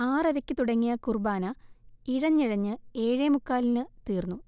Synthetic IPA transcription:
aːrɐɾɐkʲːɨt̪uɽɐŋːijɐkurbaːnɐiɻɐɲːiɻɐɲːɨeːɻemukːaːlinɨt̪iːrnːu

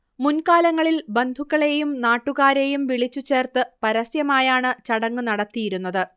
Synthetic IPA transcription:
munkaːlɐŋːɐɭilbe̞nd̪ʱukːɐɭe̞jumnaːʈːuɣaːɾe̞jumʋiɭit͡ɕːut͡ɕːe̞ːrt̪ɨpɐɾɐsjɐmaːjaːɳɨt͡ɕɐɽɐŋːɨnɐɽɐt̪ːijiɾunːɐðɨ

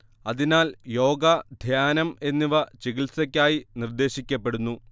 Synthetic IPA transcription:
ɐðinaːljo̞ːɡɐd̪ʱjaːnɐme̞nːiʋɐt͡ɕeɣilsɐk̬ʲːaːjinird̪e̞ːɕikʲːɐp̬ːeɽunːu

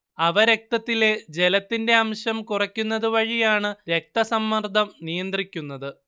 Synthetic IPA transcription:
ɐʋɐɾe̞k̚t̪ɐt̪ːile̞d͡ʑe̞lɐt̪ːinde̞ɐmɕɐmkurɐkʲːunːɐðɨʋɐɻijaːɳɨɾe̞k̚t̪ɐsɐmːɐrd̪ʱɐmnijɐnd̪rikʲːunːɐðɨ

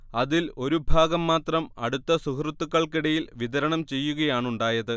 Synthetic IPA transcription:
ɐðilo̞ɾubʱaːɡɐmːaːt̪rɐmɐ̰ɽut̪ːɐsuhrt̪ːukːɐɭkiɽɐjilʋiðɐɾɐɳɐmt͡ɕe̞jːuɣɐjaːɳuɳɖaːjɐðɨ

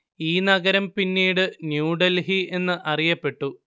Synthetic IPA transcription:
iːnɐɣɐɾɐmpinːiːɽɨnjuːɖɐlɦie̞nːɨʔɐrijɐpːe̞ʈːu

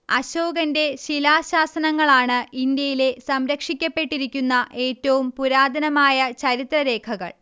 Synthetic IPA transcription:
ɐɕo̞ːɡɐnde̞ɕilaːɕaːsɐnɐŋːɐɭaːɳɨind̪jɐjile̞sɐmɾɐkʂikʲːɐpːe̞ʈːiɾikʲːunːɐʔe̞ːtːɐʋumpuɾaːd̪ʱɐnɐmaːjɐt͡ɕɐɾit̪rɐɾe̞ːkʰɐɣɐ̰ɭ

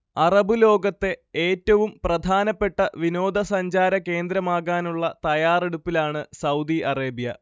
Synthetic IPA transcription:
ɐrɐbɨlo̞ːɡɐt̪ːe̞eːtːɐʋumprɐd̪ʱaːnɐpːe̞ʈːɐʋino̞ːd̪ʱɐsɐɲd͡ʑaːɾɐke̞ːnd̪ɾɐmaːɣaːnuɭːɐt̪ɐjaːreɽupːilaːɳɨsɐwd̪iʔɐreːbijɐ

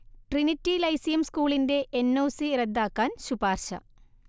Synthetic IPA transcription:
ʈrinitːilɐjsijɐmskuːɭinde̞ʔenːoːsirɐd̪ːaːkːaːnɕubaːrɕɐ̰

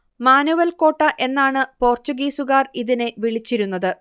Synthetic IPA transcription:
maːnuʋɐlko̞ːʈːɐʔe̞nːaːɳɨpo̞ːrt͡ɕuɡiːsuɣaːriðineʋiɭit͡ɕːiɾunːɐðɨ

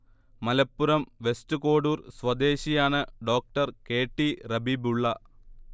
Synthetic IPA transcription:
mɐlɐpːuɾɐmʋe̞sʈɨko̞ːɽuːrsʋɐd̪e̞ːɕijaːɳɨɖo̞ːk̚ʈɐrke̞ːʈːirɐbibuɭːɐ

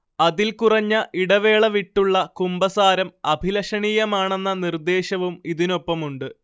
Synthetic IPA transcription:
ɐðilkurɐɲːɐʔiɽɐʋe̞ːɭɐʋiʈːuɭːɐkumbɐsaːɾɐmɐbʱilɐʂɐɳiːjɐmaːɳe̞nːɐnird̪e̞ːɕɐʋumiðino̞pːɐmuɳɖɨ

